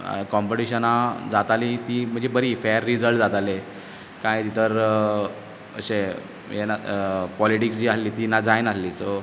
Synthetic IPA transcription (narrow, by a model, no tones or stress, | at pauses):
kɔmpoʈiɕənad͡zat̪alit̪iːm̤ə̃ɳd͡zebəɾiːfeɾːid͡zəlʈd͡zat̪ale | kãjt̪it̪əɾ | ə̰ɕe | enapɔliʈiksd͡ʑiːasliːt̪inad͡zajnasliːso